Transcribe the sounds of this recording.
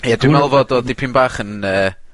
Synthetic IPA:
jadwimɛlˠvɔdɔdɪpʰimbaːχənəː

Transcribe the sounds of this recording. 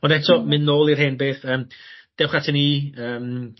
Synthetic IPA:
ɔnɛtʰɔmɪnːoːlˠirheːnbeːθəːmd̥ɛwχatʰəniːəːm

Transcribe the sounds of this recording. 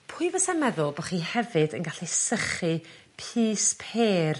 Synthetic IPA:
pʰʊɨvəsɛmɛðʊlˠbɔχiːhɛvɨdənɡaɬisəχɨ | pʰiːspʰeːr

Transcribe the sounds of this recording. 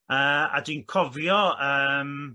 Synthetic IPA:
əːa̰diːnkʰɔvjɔəːm

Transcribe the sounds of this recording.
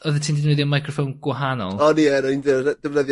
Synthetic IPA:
ɔðətʰiːndidnwɛðjɔmajkʰrɔfownɡ̥wɦanɔ̰lˠɔniɛnɔindɪɛd̥əvnəðj

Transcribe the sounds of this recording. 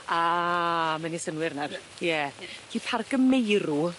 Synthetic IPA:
a | manisənwɪrnaw | jɛkiːpʰarɡ̥əmejɾu

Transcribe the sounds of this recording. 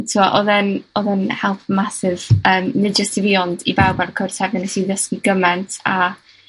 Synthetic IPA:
tʰɪɔʔɔðɛnɔðɛnhɛlˠpʰmasɪv̥əːmnɨd͡ʒəstiviɔndibawbaɾkʰʊr̥tʰɛvnɛnɛsiðəskiɡəmɛntʰa

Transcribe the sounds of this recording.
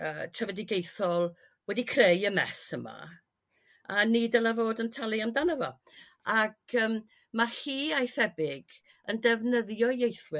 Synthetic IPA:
əːtʰrɛvɛdɪɡejθɔlˠ | wɛdikʰrejəmɛ̰səma̰ | anidəlavoːdəntʰalˠiamdanɔvɔ | akʰəːm | mahiːajθɛbɪɡ | əndɛvnəðjɔjejθwɪ

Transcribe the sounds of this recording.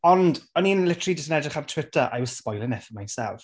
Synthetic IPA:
ɔndɔninlɪtʰəridɪsənɛdrɪχamtʰw̥ɪtʰəʔa̰jwɔz̥spɔjlˠɪnɛfəmajnsɛ̰lˠf

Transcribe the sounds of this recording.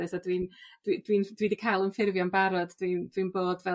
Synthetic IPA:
ɨsadwind̥wid̥wind̥wiːdikʰajlˠənfɪrvjɔnbaɾɔdd̥windwinboːdvɛ

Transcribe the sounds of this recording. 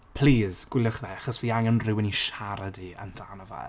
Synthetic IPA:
pʰl̥iːz̥ɡ̥wɪlˠəχðɛaχɔsviːaŋənrɪwɪniʃaɾadiə̰ndʰanəva̰

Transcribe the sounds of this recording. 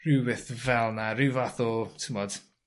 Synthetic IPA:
rɪwɪθvɛlˠnaɾɪwvaθɔtʰumɔd̥

